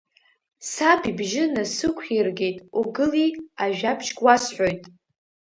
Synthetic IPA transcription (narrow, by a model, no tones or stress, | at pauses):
sapʰibʒɪnasɨkʷʰirɡe̞jtʼuɡɨliaʒᶣabʰʃɡʼwasħʷᶣo̞jtʼ